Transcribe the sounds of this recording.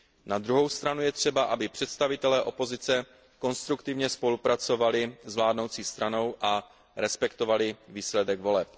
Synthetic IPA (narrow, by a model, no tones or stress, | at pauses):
nad̪ɾuɦo̞wst̪ɾanujɛt̪r̝̥ɛbaʔabɪpr̝̥ɛt̪st̪avɪt̪ɛlɛːʔo̞pozɪt͡sɛ | ko̞nst̪ɾukt̪ɪvɲɛspo̞lupɾat͡so̞valɪzvlaːdno̞wt͡siːst̪ɾano̞wʔa | ɾɛspɛkt̪o̞valɪviːslɛdɛɡvo̞lɛp